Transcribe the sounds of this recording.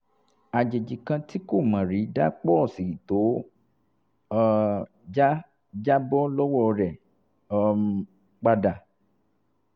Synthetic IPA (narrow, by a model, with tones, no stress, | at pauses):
a˨d͡ʒe˨d͡ʒi˨kã˧ti˦ko˦˨mã˨ɾi˨˦da˦k͡pɔ˦˨si˨i˨to˨˦ | d͡ʒa˦ | d͡ʒa˦bɔ˦lɔ˦wɔ˦˧ɾɛ˨˦ | k͡pa˧da˨